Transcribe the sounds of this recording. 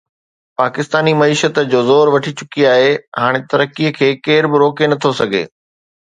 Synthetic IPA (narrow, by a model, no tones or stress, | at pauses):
paːkɪst̪aːnimɐiːʃət̪d͡ʑoːzɔːɾʋɐʈʰit͡ɕʊkiaːɦeɦaːɽ̃et̪ɐɾəkiəkʰeːkeːɾbɪɾoːkenɐt̪ʰosɐɡʱḛː